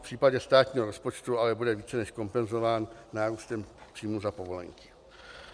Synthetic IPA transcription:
pr̥iːpaɟɛst̪aːt̪ɲiːɦoɾospot͡ʃt̪ualɛbudɛviːt͡sɛnɛʃko̞mpɛnzovaːnːaːɾuːst̪ɛmpr̥iːmuzapovo̞lɛ̰ŋkɪ̥

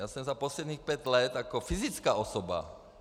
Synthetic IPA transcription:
aːsɛmzapɔslɛd̪nɲiːxpɛɟlɛt̪akɔfizit͡skaːɔsɔba̰

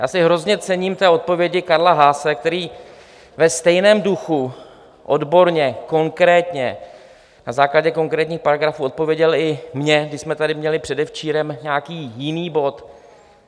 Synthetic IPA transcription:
ja̰ːsɪɦɾo̞zɲɛt͡sɛɲiːmt̪ɛːʔo̞t̪̚povjɛɟɪkaɾlaɦaːsɛkt̪ɛɾiː | vɛst̪ɛjnɛːmduxu | ʔo̞dbo̞ɾɲɛko̞ŋkɾɛːt̪ɲɛ | nazaːklaɟɛko̞ŋkɾɛːt̪ɲiːxpaɾaɡɾafuːʔo̞t̪̚po̞vjɛɟɛlɪmɲɛɡdɪʃsmɛt̪adɪmɲɛlɪpr̝̥ɛdɛft͡ʃiːɾɛmɲɛːakiːjɪniːbo̞t̪

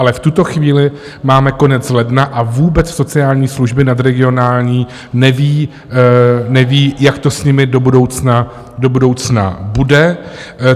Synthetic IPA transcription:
ʔalɛft̪ut̪o̞xviːlɪ | maːmɛko̞nɛt͡slɛdnaʔavuːbɛt͡sso̞t͡sɪaːlɲiːsluʒbɪnad̪ɾɛɡɪo̞naːlɲiː | nɛviː | nɛviːjakt̪o̞sɲɪmɪdo̞budo̞wt͡sna | do̞budo̞wt͡sna̰budɛ

